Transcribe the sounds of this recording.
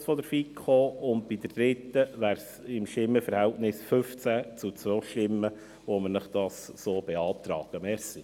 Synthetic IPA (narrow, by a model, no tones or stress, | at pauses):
sfɔdəɾfikχoːʊnt̚b̥id̪əɾd̥̪ɾɪt̪ːəʋæːɾsɪmʃtɪmːəfəɾhɛltnɪsfʏft͡sæt͡sut͡sʋœlʃtɪmːə | ʋoməɾnəχd̥ɑssoːb̥ɛɑːt̪ɾɑ̰ːɡ̥əmɛɾsi